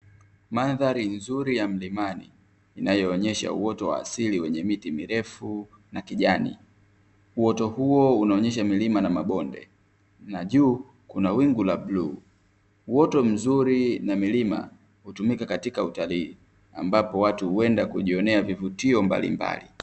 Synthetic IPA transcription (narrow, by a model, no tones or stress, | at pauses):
maðaɾinzuɾijam̩limanḭː | najɔːɲɛʃa̰ṵwɔtɔwa̰ːsiliwɛɲɛmitimiɾɛfu | nakiʄanḭ | uwɔtɔhuɔunaɔɲɛʃ̬amilimanamaɓɔndɛ̰ | naʄuː | kunawiŋɡulabluː | uwɔtɔm̩zuɾinamilima̰ | hutumikakatikautaliː | ambapɔwatuhuɛndakuʄiɔnɛavivutiɔmba̰lḭmba̰lḭ